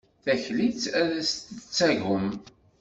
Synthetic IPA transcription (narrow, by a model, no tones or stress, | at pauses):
θæçlit͡sæðæst̪ət͡sːæʝəm